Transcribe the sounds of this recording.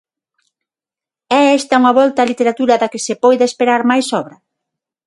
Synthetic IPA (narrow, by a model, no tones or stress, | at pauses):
ɛɛst̪ɐuŋɐβɔlt̪aːlit̪eɾat̪uɾɐðakɪsepɔjðeespeɾaɾmajsɔβɾɐ